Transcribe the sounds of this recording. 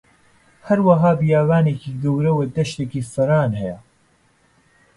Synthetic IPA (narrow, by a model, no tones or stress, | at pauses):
hɐɾwɐɦaːbɨjaːvaːneːkiːɡɐwɾɐwed̪ɐʃt̪eːkiːfɨɾaːnhɛjɛ